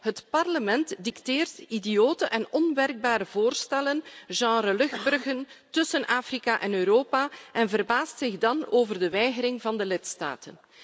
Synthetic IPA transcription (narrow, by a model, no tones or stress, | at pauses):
ɦətpɑrləmɛntdikteːrtidijoːtəʔɛnɔnʋɛrɡ̚baːɾəvoːrstɛlənʒɑ̃ːɾəlɵɣbɵrɣəntɵsənʔaːfrikaʔɛnøːɾoːpaʔɛnvərbaːstsɪɣdɑnoːvərdəʋɛjɣəɾɪŋvɑndəlɪtsta̰ːtən